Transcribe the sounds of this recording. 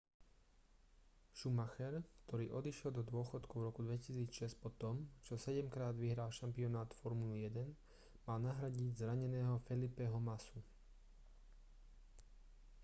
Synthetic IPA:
ʃumaxɛɾkt̪ʰɔɾiːʔɔd̪iʃjɛld̪ɔd̪ʊɔxɔt̪kuʊvɾɔkud̪ʋɛcisiːt͡sʃɛscpɔt̪ɔmt͡ʃɔsɛɟɛmkɾaːd̪ʋiɦɾaːlʃampiɔnaːt̪fɔɾmulijɛd̪ɛn | maːlnaɦɾaɟiɟzɾaɲɛnɛːɦɔfɛlipɛɦɔmasu

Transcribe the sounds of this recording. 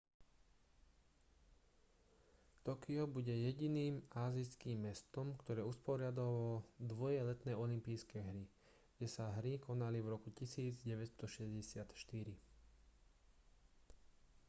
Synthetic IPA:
t̪ɔkiɔbuɟɛjɛɟiniːmaːziskiːmːɛst̪ɔmkt̪ɔɾɛːuspɔɾɪad̪ɔʋɔd̪ʋɔjɛlɛt̪nɛːɔlimpiːskɛːɦɾi | ɡ̥ɟɛsaɦɾikɔnalivɾɔkucisiːd͡zɟɛʋɛst̪ɔʃɛzɟɛsɪat̪ʃt̪iɾi

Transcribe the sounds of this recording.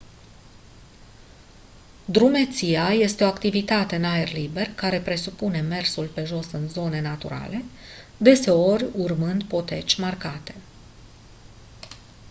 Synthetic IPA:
d̪ɾume̞t̪siaje̞st̪eo̞akt̪ivit̪at̪e̞ɨnaerlibe̞rkaɾe̞pɾe̞supune̞me̞rsulpe̞ʒo̞sɨnzo̞ne̞nat̪ṵɾa̰le̞ | d̪e̞se̞o̞rʲurmɨnd̪po̞t̪e̞t͡ʃʲmarkat̪e̞̥

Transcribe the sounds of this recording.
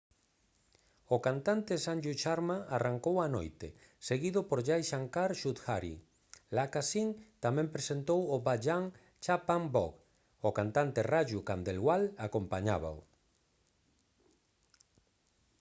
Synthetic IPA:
okant̪ant̪esand͡ʒut͡ʃaɾmaaraŋkowano̰jt̪e | seɣiðʊpoɾʎajʃaŋkaɾʃut̪xaɾḭ | lakasiŋt̪amɛ̃mpɾesent̪owoβaʎaŋ | t͡ʃapaŋbɔk | okant̪ant̪eraʒukand̪elɣwalakompaɲa̰βa̰o̰

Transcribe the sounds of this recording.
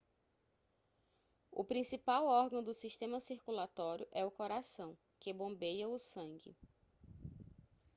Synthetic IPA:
ʊ̰pɾĩsipawɔɾɡɐ̃w̃d̪ʊsiʃt̪ẽmɐsiɾkulat̪ɔɾjʊʔɛʊkɔɾasɐ̃w̃ | kɪbõmbejɐʊsɐ̃ŋɡɪ̰

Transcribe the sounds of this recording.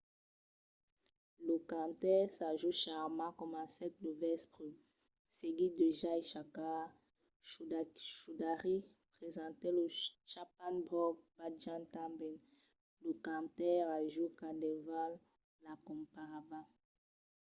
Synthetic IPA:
ləkãt̪ɛʁsaʒuʃaʁmɑ̃kɔmãsɛt̪̚luvɛspʁy | seɡid̪eʒaeʃaka | ʃud̪aʁi | pχezɑ̃t̪eləʃapanbʁɔɡ̚baʒãnt̪ãbɛn | ləkãt̪ɛʁaʒukadeval | lakɔ̃mpaʁabã

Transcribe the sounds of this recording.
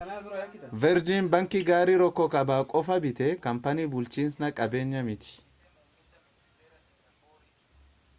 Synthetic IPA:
vɛɾd͡ʒiːnbɐŋkɪɡaːɾiːɾɔkːɔkɐbaːkʼɔfɐbɪt̪ɛkɐmpɐniːbʊlt͡ʃiːnsnɐkʼɐbe̞ːɲːɐmɪt̪ɪ̥

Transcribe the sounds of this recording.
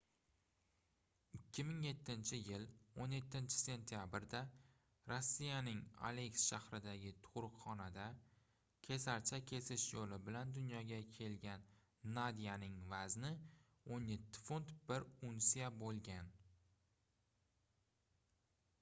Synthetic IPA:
ɪkʲʰːɪmɪŋje̞t̪ʰːɪnt͡ʃʰɪjɪlonje̞t̪ʰːɪnt͡ʃʰɪ̥se̞nt̪ʰijabɾd̪a | ɾosːijanɪŋa̰le̞ksʃahɾɪd̪aɡʲɪt̪ʰʊɾʊqχɒnad̪a | kʲʰe̞saɾt͡ʃʰakʲʰe̞sɪʃjolɪbɪland̪ʊnjɒɡʲakʲʰe̞lɡʲanː | ad̪ijanɪŋvaznɪ | onje̞t̪ʰːɪ̥font̪b̥ɪɾunsijabolˠɡʲan

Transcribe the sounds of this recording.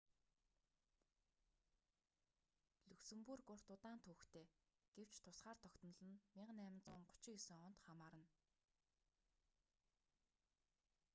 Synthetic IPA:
ɮɵksɵ̆mpurɡʊr̥t̪ʊt̪aːnt̪ʰuxt̪ʰeː | ɡ̥ew̥t͡ɕt̪ʰʊsχaːrt̪ʰɔkt̪ɞ̆nə̆ɮə̆nmʲiɴɢə̆næmɪ̆nt͡sʊːŋɢʊ̥t͡ɕɪ̆kesɘ̆ŋɔn̥t̪χamaːɾə̆n

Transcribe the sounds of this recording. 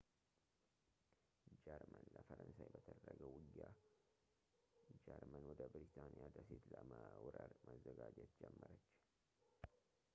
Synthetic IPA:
d͡ʒɛɾmənləfəɾənsajbət̪ʰəd̪əɾəɡəwɨɡja | d͡ʒɛɾmənwɔd̪əbɾit̪ʰanijad̪əset̪ləməwɾəɾməzːəɡad͡ʒɛt̪̚d͡ʒɛmːəɾət͡ʃː

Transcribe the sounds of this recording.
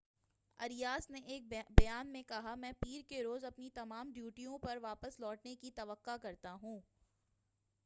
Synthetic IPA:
ɐɾijaːsneʔeːk̚bɐjaːnmẽkɐɦamɛ̃ːpiːɾkeɾoːzɐpnit̪ɐmaːmɖjuːʈijõpɐɾʋaːpəslɔːʈnekit̪ɐʋəqːakɐɾt̪aɦũː

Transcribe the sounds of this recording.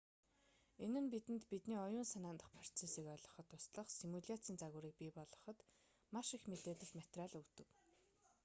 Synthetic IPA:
enɘ̆npit̪ɘ̆nt̪pit̪niːɔjʊːnsanaːnt̪ə̆χpʰrɔ̥rt͡sʰesiːkœːɮɞ̆χə̆t̪ʰːʊsɮə̆χsimuɮʲat͡siːnt͡saɣʊːɾiːk̚pipɔɮɞ̆χə̆t̪ | maʃixmet̪eːɮɘ̆ɬt̪mat̪raːɮɵt̪ɘ̆k

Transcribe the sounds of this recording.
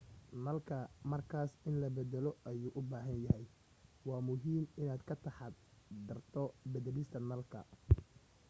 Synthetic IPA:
nɐlkʰɐmɐrkʰaːsɪnlɐbɐðɛlɔʔɐjuːʔʊbaːɦɐnjɐhɛj | wɑːmʊɦiːmɪnaːd̪kʰɐt̪ʰɑħɑd̪d̪ɐrt̪ʰɔbɐðɛlist̪ʰɐnɐlkʰɐ̰

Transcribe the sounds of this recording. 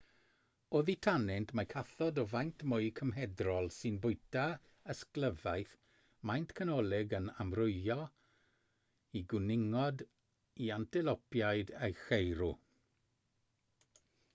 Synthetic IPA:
oːðitʰanɛntʰmakʰaθɔdɔvajntʰmʊɨkʰəmɦɛdrɔlˠsɨnbʊɨtʰa | əskləvajθ | majntʰkʰanɔlˠɪɡənamrʊɨɔ | iɡʊnɪŋɔd | iantʰɛlɔpjajdejxejɾu

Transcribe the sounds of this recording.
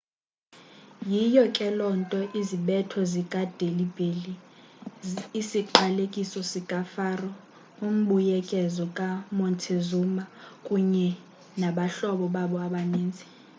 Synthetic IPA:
jijɔkʼɛlɔntʼɔʔiziɓɛtʰɔzikʼad̥ʱelibʱeli | siǃalekʼisɔsikʼafaːrɔ | um̩ɓujɛkʼɛzɔkʼamɔntʰezumakʼuɲɛ | naɓaɬɔɓɔɓaɓɔaɓaneːnd͡zʱi̥

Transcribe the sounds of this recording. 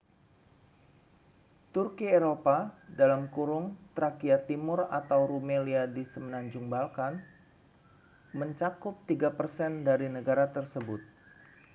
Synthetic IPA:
t̪urkieɾopadalamkuɾʊŋt̪ɾakiat̪imʊrat̪awɾumeliadisəmənaɲd͡ʒuŋbalkan | məɲt͡ʃakʊp̚t̪iɡapərsɛndaɾinəɡaɾat̪ərsəbʊt̪̚

